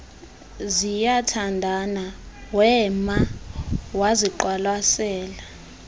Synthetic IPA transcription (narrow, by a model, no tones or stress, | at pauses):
zijatʰandʱanawɛma | waziǃwalwasɛːla